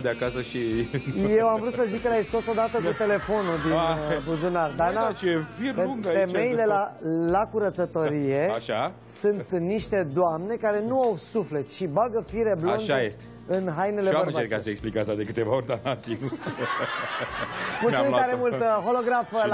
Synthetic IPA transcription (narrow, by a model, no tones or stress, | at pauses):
d̪eakasəʃijewamvɾut̪səzikːəlaist̪osod̪at̪əkut̪e̞le̞fo̞nud̪inbuzonard̪anat͡ʃefiɾeuŋeme̞jile̞lalakuɾət̪sət̪o̞ɾije̞aʃa | sunt̪niʃt̪e̞d̪oamne̞kaɾe̞nuawsufle̞t̪ʃibaɡəfiɾe̞blondae | ɨnɦajne̞leaeɾkasəeksplikasad̪e̞kɨt̪e̞vaoɾʲd̪anasinu | mulaiaɾemult̪əɦo̞lo̞ɡɾafə